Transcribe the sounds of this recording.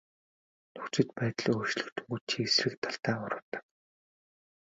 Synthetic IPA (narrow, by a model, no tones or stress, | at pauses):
nɵkt͡ɕɪ̆t̪pæːt̪ɮiɵt͡ɕɮɵ̆kt̪ʰɵ̥̆ŋɡut͡ɕʰiesrɘ̆kt̪ʰaɬt̪æːɢʊɾʊ̆ːt̪ə̥̆